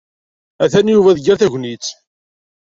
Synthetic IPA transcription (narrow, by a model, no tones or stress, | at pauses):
æθænjuvæðəɡəɾθæʝʷnit͡sː